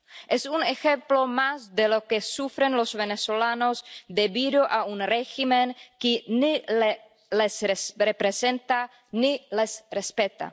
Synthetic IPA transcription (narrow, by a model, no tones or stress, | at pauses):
ʔesunexemplo̞mazd̪elo̞kesufɾenlozβeneso̞lano̞zd̪eβiðo̞ʔaunreximeŋkinile | lesrepɾesent̪a | nilesrespet̪a̰